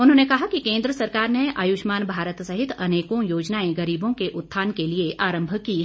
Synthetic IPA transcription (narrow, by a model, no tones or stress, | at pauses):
ʊnɦõːnekɐɦakikẽːnd̪ɾəsɐɾkaːɾneʔajʊːʃmaːnbʱaːɾət̪sɐɦɪt̪ɐneːkõjoːd͡ʒnaːẽɡɐɾiːbõkeʔʊt̪ʰːaːnkelieʔaːɾə̃mbʱki